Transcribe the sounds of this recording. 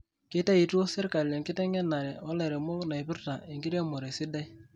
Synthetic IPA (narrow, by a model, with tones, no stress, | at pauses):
kɪ˦ta˦i˨tu˦o˦sɪ˦rka˨le˨ŋkɪ˦tɛ˦ŋɛ˦na˨ɾɛ˨ɔ˦lɛ˨ɾe˨mo˦kna˨i˨pʊ˦rta˨e˨ŋkɪ˦ɾe˦mʊ˨ɾe˨sɪ˦da˦j